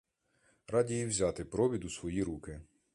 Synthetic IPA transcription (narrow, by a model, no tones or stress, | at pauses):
ɾɑdʲijiwzʲat̪ɪpɾɔʋʲid̪usʋɔjiɾukɪ